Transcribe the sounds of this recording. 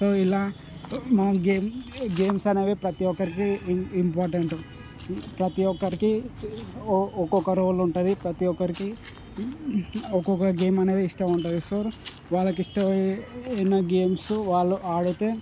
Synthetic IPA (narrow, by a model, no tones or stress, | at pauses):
soilːɐ | maːmɡemɡeːmsanɐʋepɾɐt̪ijɔkːɐɾik̬iimpaːɾʈ̬ɐɳʈu | pɾɐt̪iɔkːɐɾiki | ɔkokɐɾoʋɐluɳʈɐd̪ipɾɐt̪iɔkːɐɾiki | ɔkːokɐɡeːmɐned̪eiʂʈɐuɳʈɐd̪isoːɾ | ʋaːlɐk̬iʂʈɐʋenːɐɡeːmsuʋaːɭuaːɽet̪e